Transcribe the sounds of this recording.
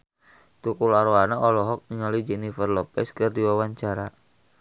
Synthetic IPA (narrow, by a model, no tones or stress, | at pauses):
t̪ukulaɾoanaʔɔlɔɦɔk̚niŋɔlid͡ʒɛnifərlɔpɛskɨrdiwawaɲt͡ʃaɾa